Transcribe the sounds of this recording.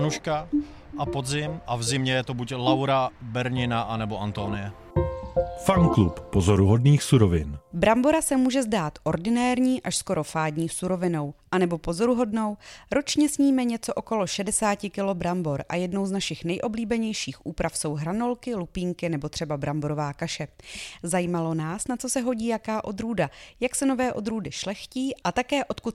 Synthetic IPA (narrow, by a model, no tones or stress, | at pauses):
nuʃka | ʔapod̪zɪmʔavzɪmɲɛjɛt̪obuclawɾabɛɾɲɪnaʔanɛboʔant̪onɪjɛ | faŋklupːozoɾuɦo̞dniːxsuɾovɪnbɾambo̞ɾasɛmuːʒɛzdaːt̪ʔo̞ɾdɪnɛːɾɲiːʔaʃsko̞ɾo̞faːdɲiːsuɾo̞vɪno̞wʔanɛbo̞po̞zo̞ɾuɦo̞dno̞wɾo̞t͡ʃɲɛsɲiːmɛɲɛt͡so̞ʔoko̞lo̞ʃɛdɛsaːcɪkɪlo̞bɾambo̞ɾʔa̰jɛdno̞wznaʃɪxnɛjʔobliːbɛɲɛjʃiːxʔuːpɾafso̞wɦɾano̞lkɪlupiːŋkɪnɛbo̞t̪r̥ɛbabɾambo̞ɾo̞vaːkaʃɛzajiːmalo̞naːsnat͡so̞sɛɦo̞ɟiːjakaːʔo̞d̪ɾuːdajaksɛno̞vɛːʔo̞d̪ɾuːdɪʃlɛxciːʔʔat̪akɛːʔo̞t̪kut̪